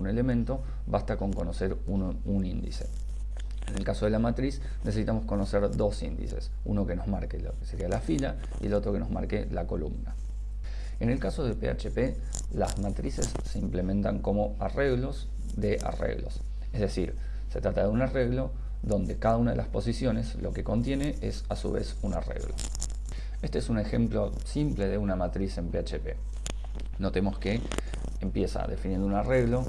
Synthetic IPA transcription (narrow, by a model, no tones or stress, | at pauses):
une̞le̞mẽ̞nt̪o̞ | βast̪ako̞ŋko̞no̞seɾ | u | unind̪ḭse̞̥ | ene̞lkaso̞ð̞e̞lamat̪ɾis | nesesit̪amo̞sko̞no̞seɾðo̞sind̪ḭse̞̰s | uno̞ke̞no̞zmaɾkelokeseɾialafila | ḭelo̞t̪ɾo̞ke̞no̞zma̰ɾke̞lako̞lṵmna̰ | e̞ne̞lkaso̞ð̞elpea̰t͡ʃepe | la̰zmat̪ɾise̞sːeimple̞mẽ̞nt̪aŋko̞mo̞are̞ɣlo̞z | ðe̞ʔa̰rḛɣlo̞̰s | ezðe̞sḭɾ | se̞t̪ɾat̪aðeunare̞ɣlo̞ | ðo̞nd̪e̞kaðaunaðe̞̰la̰spo̞sisjo̞ne̞slo̞̰ke̞ko̞nt̪je̞ne̞ʔḛsasṵβe̞̰suna̰rḛɣlo̞̰ | e̞st̪eesune̞xemplo̞ | simple̞ðe̞unamat̪ɾise̞mpeat͡ʃepe̞̰ | no̞t̪e̞mo̞ske | empje̞sa̰ðe̞finje̞nd̪ounare̞ɣlo̞